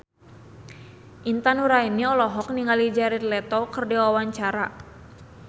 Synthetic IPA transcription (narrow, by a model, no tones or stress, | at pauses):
ʔint̪anuɾainiɔlɔɦɔk̚niŋalid͡ʒaɾɛt̪lɛt̪ɔkərdiwawaɲt͡ʃaɾa